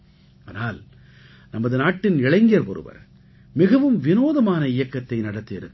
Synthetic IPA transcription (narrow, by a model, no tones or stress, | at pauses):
aːnaːl | nɐmɐðɯnaːʈːɪnɪɭɐɪŋɡɪjɐɾpɔɾɯ̰ʋɐ̰ɾ | mɪɣɐʋɯmʋɪnoːðɐmaːnɐɪjɐkːɐt̪ːɐɪnɐɽɐt̪ːɯɪɾɯkː